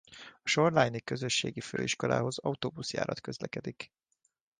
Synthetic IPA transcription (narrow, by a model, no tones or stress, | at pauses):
ɒʃo̞rlajnikːø̞zø̞ʃːḛːɡiføːiʃko̞lʔa̰ːɦo̞zɒut̪oːbusja̰ːɾɒt̪kø̞zlɛkɛd̪ik